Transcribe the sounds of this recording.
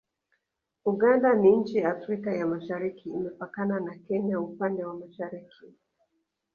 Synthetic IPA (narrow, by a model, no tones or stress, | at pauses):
uɠandaniɲ̩t͡ʃijaːfɾikajamaʃaɾikʰiːmɛpakananakɛɲaupandɛwamaʃaɾikʰi